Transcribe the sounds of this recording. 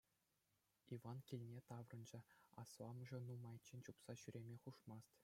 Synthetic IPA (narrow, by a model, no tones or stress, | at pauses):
ivɑnkʲilʲnʲet̪ɑʋrɤ̆nd͡ʑɘ̆ɑ̰slˠɑmɤ̆ʐɤ̆numɑjt͡ɕːenʲt͡ɕupsɑɕyɾʲemʲeχuʂmɑst̪